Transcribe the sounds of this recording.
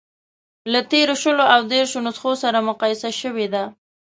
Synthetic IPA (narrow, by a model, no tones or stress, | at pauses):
lat̪eɾoʃəloʔawd̪eɾʃonʊsxosaɾamʊqɑjɪsaʃəwed̪a